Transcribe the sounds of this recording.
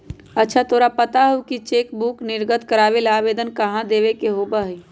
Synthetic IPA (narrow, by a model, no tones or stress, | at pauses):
ətːʃʰat̪ʰoːɾapət̪aɦokit͡ʃeːkbuknɪɾɡət̪kəɾaːʋelaːʋeːd̪ənkəɦãd̪eːʋekeɦoːbaɦi